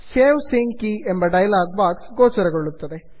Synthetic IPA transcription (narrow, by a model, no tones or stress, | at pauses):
seːmsiŋɡkiembɐɖɐjɐlaːɡ̚baːksɡoːt͡ʃɐɾɐɡoɭːut̪ːɐd̪e